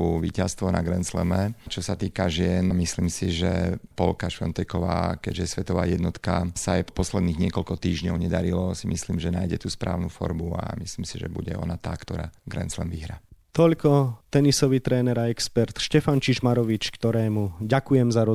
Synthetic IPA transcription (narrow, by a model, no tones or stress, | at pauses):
uʋḭːcast̪ʋɔna̰ɡɾɛnt͡slɛ̰mɛt͡ʃɔsat̪iːkaʒɪɛnmisliːmsiʒɛpɔlkaʃfɔnt̪ɛjkɔʋaːkɛɟʒjɛsʋɛt̪ɔʋaːjɛd̪nɔt̪kasaajpɔslɛd̪niːɣɲɪɛkɔʎkɔt̪iːʒɲɔʊɲɛd̪aɾilɔsimisliːmʒɛnaːjɟɛt̪uːspɾʔa̰ːʊnufɔ̰ɾbua̰misliːmsiʒɛ̰buɟɛɔ̰nat̪aːkt̪ɔɾa̰ːɡɾɛ̰nt͡slɛmʋiɦɾat̪ɔʎkɔt̪ɛnisɔʋit̪ɾɛːnɛɾaɛkspɛɾt̪ʃcɛfant͡ʃiʒmaɾɔʋit͡ʃkt̪ɔɾɛːmuɟakujɛmzaɾɔ